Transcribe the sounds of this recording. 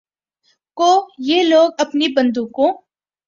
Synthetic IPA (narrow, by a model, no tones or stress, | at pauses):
koːjeːloːɡ̚ɐpnibɐ̃nd̪ũkõ